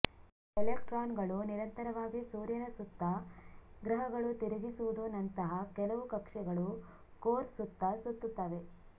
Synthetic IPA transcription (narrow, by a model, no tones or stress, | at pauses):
elekʈɾaːnɡɐɭuniɾɐnt̪ɐɾɐʋaːɡisuːɾjɐnɐsut̪ːɐɡɾɐɦɐɡɐɭut̪iɾɐɡisuʋud̪unːɐnt̪ɐɦɐkɛlɐʋukɐkʂɛɡɐɭu | koːɾsut̪ːɐsut̪ːut̪ːaːʋe̞